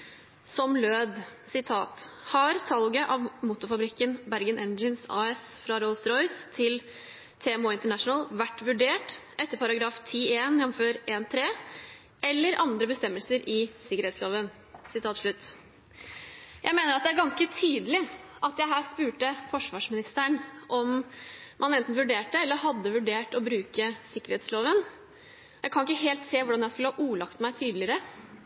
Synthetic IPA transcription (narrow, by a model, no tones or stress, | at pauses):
sɔmløːd̪sɪt̪ʰɑ̰ːt̪hɑɾsɑlɡəʔɑʋmʊt̪ːʊɾfɑbɾɪkːənbæɾɡənʔɛnd͡ʒənsɑ̰ːɛs | fɾɑɾɔlsɾɔʏst̪ʰɪl | t̪ʰɛɛmoːɪnt̪əɳæʂnəlʋæʈːʋʉɖeːʈʔɛt̪ːəɾpʰɑɾɑɡɾɑːft̪ʰiːeːnjɛmføːɾeːnt̪ʰɾeː | ʔɛlːəɾʔɑnd̪ɾəbəst̪ɛmːəlsəɾɪsɪkːəɾɛːt̪sloːʋən | sɪt̪ʰɑːt̪ʂɭʉt̪ː | jʔæ̰ɪmeːnəɾɑt̪d̪ɛæɾɡɑnskət̪ʰyːd̪əlɪʔɑt̪jæɪɦæːɾspʉːʈəfɔʂʋɑːʂmɪnɪst̪æɳʔɔmmʔɑnɛnt̪n̩ʋʉɖeːʈːəɛlːəɾɦɑd̪ːəʋʉɖeːʈɔbɾʉːkəsɪkːəɾhɛːt̪sloːʋən | jæɪkʰɑnɪkːəɦeːlt̪seːʋʊɖɑnjæɪskʉləhɑːʔuːlɑkt̪mæɪt̪ʰiːd̪lɪəɾə